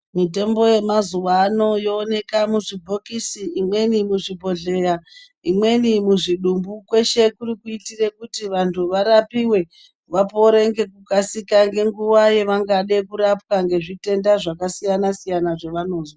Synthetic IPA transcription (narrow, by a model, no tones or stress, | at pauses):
mite̞mbo̞je̞mazuʋaːno̞jo̞ːne̞kamuʐibʱo̞kisiːmwe̞nimuʐibʱo̞ɮe̞ra | imwe̞nimuʐiɗumbukwe̞ʃe̞kurikuitire̞kutiʋantʰuʋaɾapiwe̞ | ʋapo̞ɾe̞ŋɡe̞kukasikaŋɡe̞ŋɡuwaje̞ʋaŋɡaɗe̞kuɾap̚waŋɡe̞ʐite̞ndaʐakasijanasijanaʐeʋano̞ːzwaa